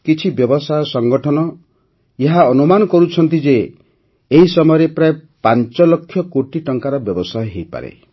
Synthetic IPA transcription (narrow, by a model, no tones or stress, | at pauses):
kit͡ʃʰibjɔbɔsajsɔŋɡɔʈʰɔnɔ | jeɦaɔnumanɔkɔɾut͡ʃʰɔnt̪id͡ʒeː | ɦisɔmɔjɔɾepɾaepant͡ʃɔlɔkʰːjɔkoʈiʈɔŋkaɾɔbjɔbɔsajɦejpa̰ɾḛ